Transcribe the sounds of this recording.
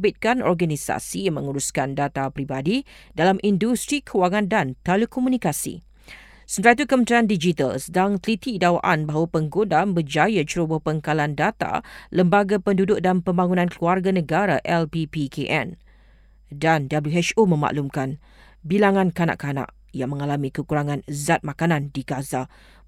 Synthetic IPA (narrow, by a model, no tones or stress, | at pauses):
bɪt̪̚kanɔ̰rɡanisa̰simə̃ŋuɾuskandat̪apɾibadidalamʔindust̪ɾikʰuwaŋãndant̪ɛlekɔmũnikasḭ | sənt̪ɾait̪ukəmənt̪ɾiandid͡ʒit̪a̰lsədaŋt̪əlit̪idawa̰ʔanbaɦawapəŋɡodambəd͡ʒajat͡ʃɾubəhpəŋkalandat̪a̰ləmbaɡapəndudʊk̚danpəmbaŋunãnkluarɡanə̃ɡaɾaʔɛlpipikʰeʔɛ̰n | dandabluɛt͡ʃomə̃ma̰ʔlumkan | bilaŋãnkana̰ʔkanã̰ʔ | jaŋmə̃ŋalamĩkəkuɾaŋãnzat̪̚mãkanãndiɡaza